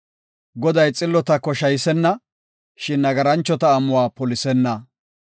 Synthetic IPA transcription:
ɡɔd̪ɐjt͡sʼɪlːɔt̪ɐkːɔʃɐjsɛnːɐ | ʃɪnːɐɡɐɾɐnt͡ʃːɔt̪ɐːmʊwaːpɔlɪsɛnːɐ

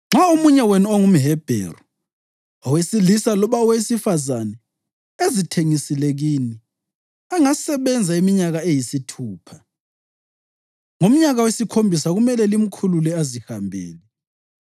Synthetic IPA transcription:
ŋ͡ǁaumuɲɛwɛnuoŋum̩ɦɛb̥ʱɛ̰rɔ | ɔwesilisalɔβaɔwesifazanɛ | ezitʰeŋisileɣini | aŋasɛβɛnd͡zʱaimiɲaɣaejisitʰuːpʰḁ | ŋom̩ɲaɣawesikʰombʱisaɣumɛlɛlim̩kʰululɛazihambʱḛːli

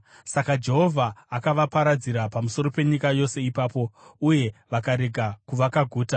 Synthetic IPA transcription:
sakad͡ʒe̞ɦo̞vʱaːkaʋapaɾad͡ziɾapamuso̞ɾo̞pe̞ɲikajo̞se̞ipaːpo̞uje̞ʋakaɾe̞ɡʱakuʋakaɡʱuːta

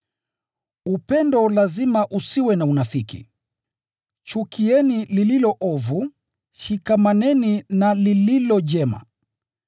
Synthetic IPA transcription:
upɛndɔlazimaʔusiwɛnaunafikḭ | t͡ʃukiɛnilililɔʔɔvu | ʃikamanɛninalililɔʄɛma̰

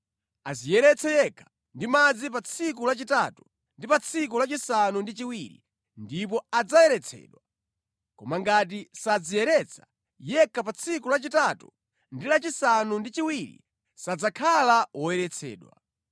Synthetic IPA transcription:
azijɛɾɛt͡sʰɛjɛkʰḁ | ndimad͡zip̬at͡sʰik̬ulat͡ʃitatu | ndipat͡sʰik̬ulat͡ʃisanundit͡ʃiwiɾḭ | ndip̬ɔad͡zajɛɾɛt͡sʰɛ̰ːɗwa | kɔmaŋɡat̬isad͡zijɛɾɛt͡sʰḁ | jɛkʰapat͡sʰikulat͡ʃitatu | ndilat͡ʃisanundit͡ʃiwiɾḭ | sad͡zakʰalawɔjɛɾɛt͡sʰɛ̰ːɗwa̰

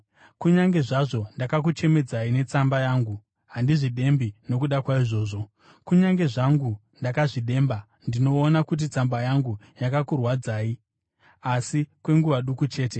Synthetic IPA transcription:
kuɲaŋɡe̞ʐaʐo̞ndakak̬ut͡ʃe̞me̞d͡zaine̞t͡sambajaːŋɡu | ɦandiʐiɗe̞mbino̞kuɗakwaiʐo̞ːʐo̞ | kuɲaŋɡe̞ʐaŋɡu | ndakaʐiɗe̞ːmba | ndino̞ːnakut̬it͡sambajaŋɡujakakurwad͡zaːi | asikwe̞ŋɡuʋaɗukut͡ʃe̞ːte̞

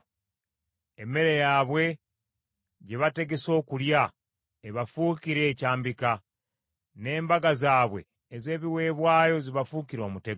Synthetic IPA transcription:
emːe̞ɾejaβwe̞ | ɟe̞βate̞ɡe̞so̞ːkulja | eβafuːkiɾe̞ːcaːmbika | ne̞ːmbaɡazaːβwe̞̰ː | ze̞ːβiwe̞ːβwaːjo̞ziβafukiɾo̞ːmute̞ɡ

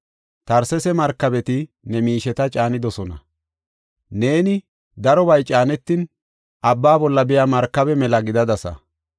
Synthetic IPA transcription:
t̪ɐɾsɛsɛmɐɾkːɐbɛt̪ɪ | nɛmiːʃɛt̪ɐt͡ʃʼaːnɪd̪ɔsɔnɐ̰ | ne̞ːnɪ | d̪ɐɾɔbɐjt͡ʃʼaːnɛt̪ːɪn | ʔɐbːaːbɔlːɐbɛjamɐɾkːɐbɛmɛlɐɡɪd̪ɐd̪ɐsɐ̰

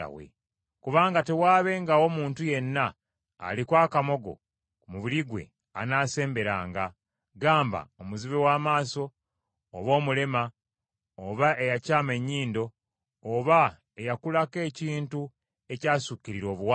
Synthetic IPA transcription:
a̰wḛ | kuβaːŋɡate̞waːβe̞ŋɡao̞muːntuje̞nːa̰ː | likwaːkamo̞ɡo̞̰ | kumuβiliɡwe̞̰ | a̰naːse̞ːmbe̞ɾaːŋɡa | ɡaːmba̰omuziβewaːmaːso̞ː | βo̞ːmule̞ma | oβaʔejacaːme̞ɲːiːndo̞ː | βa | ejakulake̞ːciːntu | e̞caːsucːiɾiɾo̞ːβwa

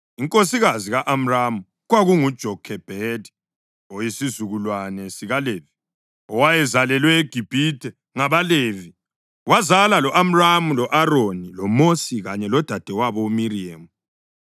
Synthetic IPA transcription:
iŋkʼosiɣaziɣaʔam̩ramu | ɣwaɣuŋud̥ʒ̥ʱɔkʰɛb̥ʱedʱi̥ | ojisizuɣulwanɛsiɣaleːvi | ɔwajɛzalɛlwɛeɡ̥ʱib̥ʱitɛ | ŋaβalevi | wazalalɔʔam̩ramulɔʔaɾonilɔmosiɣaɲɛlɔd̥ʱad̥ʱɛwaβɔumiriamu

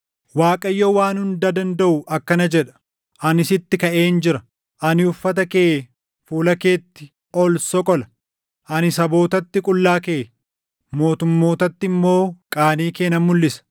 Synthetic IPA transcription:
waːkʼɐjːowaːnhʊnd̪ɐd̪ɐnd̪ɐʔʊʔɐkːɐnɐd͡ʒɛᶑɐ̥ | ʔɐnɪsɪt̪ːɪkɐʔeːnd͡ʒɪɾɐ | ʔɐnɪʊfːɐt̪̬ɐkeː | fuːlɐke̞ːt̪ːɪ̥ | ʔɔlsɔkʼɔlɐ | ʔɐnɪsɐbo̞ːt̪ɐt̪ːɪkʼʊlːaːkeː | mo̞ːt̪ʊmːo̞ːt̪ɐt̪ːɪmːo̞ːkʼaːniːke̞ːnɐmːʊlːɪsɐ̥

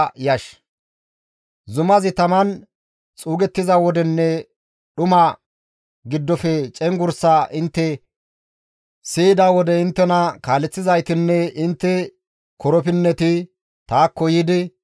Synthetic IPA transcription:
jɐʃ | zʊmɐzɪt̪ɐmɐn | t͡sʼuːɡɛt̪ːɪzɐwɔd̪ɛnːɛ | ɗʊmɐ | ɡɪd̪ːɔfɛt͡ʃʼɛŋɡʊɾsaʔɪnt̪ːɛ | siːd̪awɔd̪ɛɪnt̪ːɛnɐkaːlɛt͡sːɪzɐjt̪ɪnːɛɪnt̪ːɛ | kɔɾɔpɪnːɛt̪ɪ | t̪aːkːɔjɪd̪ɪ

